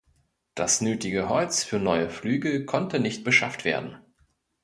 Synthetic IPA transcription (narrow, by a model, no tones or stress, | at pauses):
d̥asnøːtɪɡəɦɔʏt͡sfyːɐnɔʏəflyːɡəkʰɔntʰənɪçt̚b̥əʃaftv̥eːɐdn̩